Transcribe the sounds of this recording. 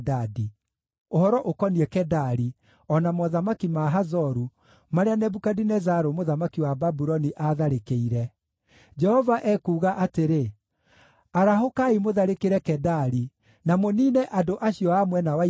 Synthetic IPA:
dadi | ohɔɾɔʔokɔniɛkɛdaɾi | ɔnamɔðamakimaɦazɔɾu | maɾeanɛbukadinɛzaɾomoðamakiwababuɾɔniʔaðaɾekeiɾɛ | d͡ʒɛhɔvaʔɛːkuːɣaʔateɾe | aɾaɦokaimoðaɾekeɾɛkɛdaɾi | namoniːnɛʔadoʔaɕiɔamwɛnawa

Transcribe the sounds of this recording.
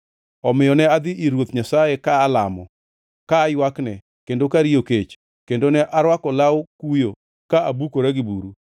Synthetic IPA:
ɔmɪjɔnɛad̪ɪʔiɾwot̪ɲasajekaːla̰mɔ̰ | kaːjwaknɛ | kendokaɾijoket͡ʃ | kendonɛʔaɾwakɔlawkujo | kaabukoɾɛɡɪbṵɾu

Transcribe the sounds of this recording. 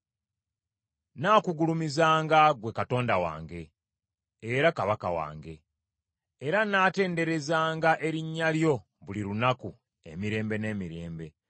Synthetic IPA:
naːkuɡulumizaːŋɡaɡwe̞kato̞ːndawa̰ːŋɡe̞ː | ɾakaβaka̰wa̰ːŋɡe̞ː | ɾanaːte̞ːnde̞ɾe̞zaːŋɡaʔe̞ɾiɲːaljo̞ | βuliɾunaku | e̞̰miɾe̞ːmbe̞ne̞ːmiɾe̞ːmbe̞

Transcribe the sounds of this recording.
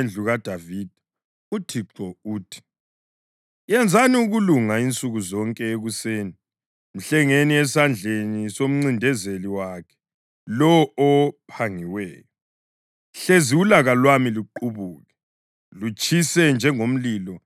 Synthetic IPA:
nd͡ɮʱuɣad̥ʱavid̥ʱ | utʰiǁɔuːtʰi̥ | jɛnd͡zʱaniuɣuluŋaint͡sʼuɣuzɔŋkʼɛeɣuseːni | m̩ɬɛŋeniɛsand͡ɮʱenisom̩ŋ͡ǀindʱɛzeliwaːkʰɛ̥ | lɔɔɔpʰaŋiwɛːjɔ | ɬeziulaɣalwamiluǃuβuːɣɛ | lut͡ʃʼisɛnd͡ʒʱɛŋom̩liːlɔ

